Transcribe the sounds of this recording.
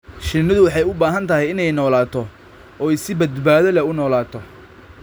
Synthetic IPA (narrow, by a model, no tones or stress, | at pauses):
ʃɪnɐðʊwɑħɑjʊbaːɦɐnt̪ʰɐɦɛjɪnɛjnɔːlaːt̪ʰɔ | ɔːɛjsɪbɐd̪baːðɐlɐʊnɔːlaːt̪ʰɔ